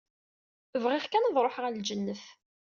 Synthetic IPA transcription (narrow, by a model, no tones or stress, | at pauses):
əvʁɪʁkænəðˤɾˤoħʁəld͡ʒənːəf